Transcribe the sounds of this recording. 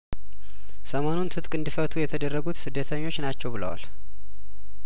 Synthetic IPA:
səmo̞nunt̪ʰɨt̪ʼkʼɨnd̪ifət̪ʰujɛt̪ʰəd̪ərːəɡut̪sɨd̪ːət̪ʰəɲːo̞t͡ʃːnat͡ʃːɛwbɨlə̰wa̰l

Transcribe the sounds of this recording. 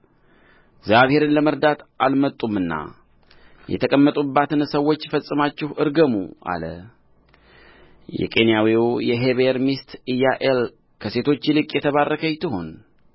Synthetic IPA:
ɡzaβhe̞ɾɨnləməɾd̪at̪ʔalmət̪ʼːumɨnːa̰ | jɛ̰t̪ʰəkʼəmːət̪ʼubːat̪ɨnsəwːo̞t͡ʃːfəsʼɨmat͡ʃːɪhʔɨɾɡəmṵʔa̰lə̰ | jɛ̰kʼe̞njawijɛɦeβeɾmist̪ijaʔel | kʰəse̞t̪ʰo̞t͡ʃːlɨkʼjɛt̪ʰəβarːəkʰəjt̪ʰɨɦon

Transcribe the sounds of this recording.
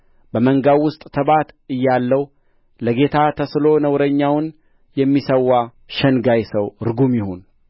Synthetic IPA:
bəməŋɡawʊst̪ʼt̪ʰəbat̪ɨjːalːəw | ləɡe̞t̪ʰat̪ʰəslo̞nəwɾəɲːawn | jɛmːisəwːa | ʃənɡajsəwɾɡumjɪhon

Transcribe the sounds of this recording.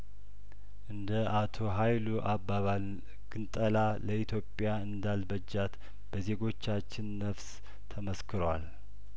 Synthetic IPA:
ʔɨnd̪əʔat̪ʰo̞ɦajluʔabːaβa | ɡ̥ɨnt̪ʼəlaləit̪jo̞pʼːjaɨnd̪albəd͡ʒːat̪ | b̥əze̞ɡo̞t͡ʃːat͡ʃːɪnːəfs | t̪ʰəməskʰɨɾəwal

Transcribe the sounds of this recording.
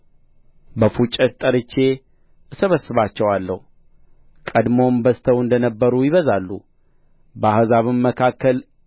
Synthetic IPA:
bəfut͡ʃʼːət̪t̪ʼəɾɨt͡ʃːe̞ | səβəsːɨβat͡ʃːɛwalːəhu | kʼəd̪mo̞mbəst̪ʰəwɨnd̪ənəbːəɾujɪβəzalːu | bəahzaβɨmːəkʰakːəl

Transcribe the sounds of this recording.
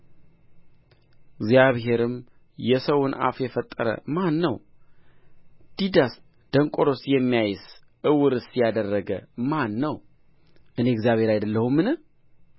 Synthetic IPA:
ɪɡzjaβɦe̞ɾɨm | jɛsəwʊna̰fjɛfət̪ʼːəɾə̰manːəw | d̪̥id̪as | d̪̥əŋkʷʼoɾo̞sjɛmːijajɪs | ʔɨwɨɾɨsijad̪ərːəɡə̰manːəw | ʔɨne̞ɨɡzjaβhe̞ɾajd̪əlːəhumːɨnɨ

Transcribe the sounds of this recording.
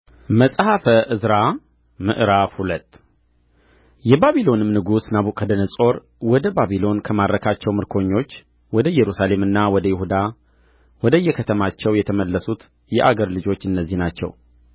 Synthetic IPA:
məsʼhafəʔɨzɾa | mɨ̰ʔɾafhulət̪ʼː | jɛbaβilo̞nɨmnɨɡusnaβukʼʰːəd̪ənəsʼo̞ɾ | wɔd̪əbaβilo̞nkʰəmad̪ɾəkʰat͡ʃːɛwmɨɾkʰo̞ɲːo̞t͡ʃː | wɔd̪əjɛɾusale̞mɨnːawɔd̪əjɪhud̪a | wɔd̪əjːɛkʰət̪ʰəmat͡ʃːɛwjɛt̪ʰəməlːəsut̪ | jɛʔaɡəɾlɨd͡ʒo̞t͡ʃːɨnːəzːihnat͡ʃːɛ̰w

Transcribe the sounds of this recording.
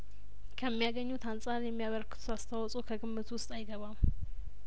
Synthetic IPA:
kʰəmːijaɡəɲːut̪ansʼaɾjɛmːijaβəɾkɨ̥t̪ʰuast̪ʰawɔsʼokʰəɡɨmːɨt̪wʊst̪ʼajɡəβam

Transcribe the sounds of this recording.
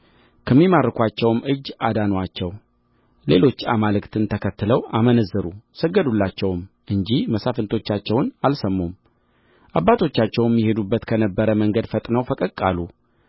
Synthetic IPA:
kʰəmːimarːɨkʷat͡ʃːɛwmɨd͡ʒːad̪anwat͡ʃːɛw | le̞lo̞t͡ʃːamalɨkt̪ʰɨnt̪ʰəkʰət̪ːɨləwamənəzːɨɾusəɡːəd̪ulːat͡ʃːɛwm | ʔɨɲd͡ʒihməsafɨnt̪ʰo̞t͡ʃːat͡ʃːɛwnalsəmːum | ʔabːat̪ʰo̞t͡ʃːat͡ʃːɛwjmːihe̞d̪ubːət̪kʰənəbːəɾəməŋɡəd̪fət̪ʼnəwfəkʼəkʼalu

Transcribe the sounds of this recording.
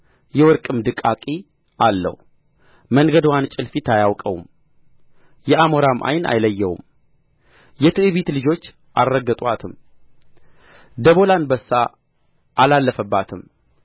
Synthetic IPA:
jɛwɔɾkʼɨmd̪ɨkʼakʼi | ʔalːə̰h | məŋɡəd̪want͡ʃʼɪlfit̪ʰajawkʼə̰wṵm | jɛʔamoɾamʔa̰jna̰jləjːɛwṵm | jɛt̪ʰɨʔɨβit̪lɨd͡ʒo̞t͡ʃː | ʔarːəɡət̪ʼwat̪ʰɨm | d̪əβo̞lanbəsːaː | lalːəfəbːat̪ʰɨm

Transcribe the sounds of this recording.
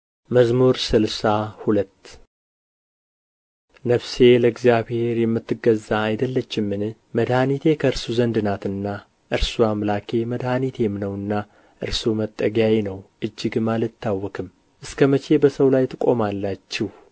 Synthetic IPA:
məzmuɾsɨlsahulət̪ː | nəβse̞ləɡzijaβhe̞ɾjɛmːɨt̪ːɨɡəzːaːjd̪əlːət͡ʃːɪmːɨnɨ | məd̪hanit̪ʰe̞kʰəɨɾsuzənd̪ɨnat̪ɨnːa | ʔɨɾsuamlakʰe̞məd̪hanit̪ʰemnəwɨnːa | ʔɨ̰ɾsumət̪ʼːəɡajenəwʔɨd͡ʒːɪɡmalɨt̪ʰːawːɔkʰɨm | ʔɨskʰəmət͡ʃe̞bəsəwlajt̪ʰɨkʼo̞̰malːat͡ʃːɪh

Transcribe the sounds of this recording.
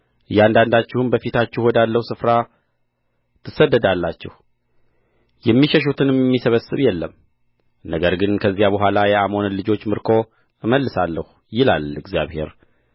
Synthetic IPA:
ɨjand̪and̪at͡ʃːɪhuɨnbəfit̪ʰat͡ʃːɪhwɔd̪alːəhusɨfɾa | t̪ʰɨsːəd̪ːəd̪alːat͡ʃːɪ̰h | jɛmːiʃɛʃ̬ut̪ʰɨnɛmːisəβəsːɨβjɛlːəm | nəɡəɾɡɨnkʰəzːijabəɦʷwʷalajɛamo̞nəlɨd͡ʒo̞t͡ʃːmɨɾkʰo̞ | ɨməlːɨsalːəhu | jɪla̰lɨɡzja̰βhe̞̰ɾ

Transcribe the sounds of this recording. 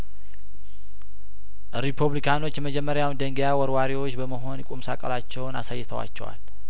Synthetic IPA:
ɾipʰuβlikʰano̞t͡ʃːjɛməd͡ʒɛmːəɾjawnd̪əŋɡjawɔɾwaɾiwo̞t͡ʃːbəməɦo̞nkʼumsa̰kʼəlat͡ʃːɛwna̰sajːɪt̪ʰəwa̰t͡ʃːɛ̰wa̰l

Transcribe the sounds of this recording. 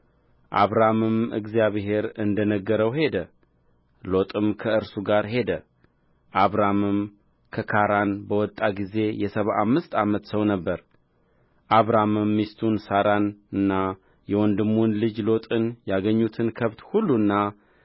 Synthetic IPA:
ʔaβɾamɨmɨ̰ɡzijaβɦe̞ɾɨnd̪ənəɡːəɾəwhe̞d̪ə | lo̞t̪ʼɨmkʰəɨɾsuɡaɾhe̞d̪ə | ʔaβɾamɨm | kʰəkʰaɾanbəwɔt̪ʼːaɡize̞jɛsəβaʔamːɨst̪amət̪səwnəbːəɾ | ʔaβɾamɨmːist̪ʰunsaɾanɨnːa | jɛwɔnd̪ɨmːunlɨd͡ʒlo̞t̪ʼɨnjaɡəɲːut̪ʰɨnkʰəβt̪hulːunːa

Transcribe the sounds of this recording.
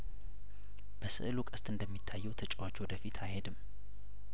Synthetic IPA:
b̥əsɨ̰ʔɨlukʼəst̪ʼɨnd̪əmːit̪ʰːajːɛwt̪ʰət͡ʃʼwat͡ʃːwɔd̪əfit̪ʰajhed̪ɨmː

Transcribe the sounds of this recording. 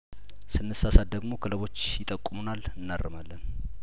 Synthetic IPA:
sɨnːɨsasad̪əɡmo̞kʰɨləβo̞t͡ʃːjɪt̪ʼəkʼːumunalɨnːarːəmalːən

